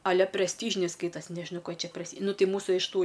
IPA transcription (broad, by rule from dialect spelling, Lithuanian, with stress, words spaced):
ɐ ˈlʲɛ pʲrʲɛsʲˈtʲiːʒʲɪnʲɛɪ ˈskɐɪtɐsʲ nʲɛʒʲɪˈnɐʊ ˈkoː jiɛ ˈt͡ʃʲɛ pʲrʲɛsʲˈtʲiː ˈnʊ ˈtʲɪ ˈmuːsʊ ɪʃ ˈtuː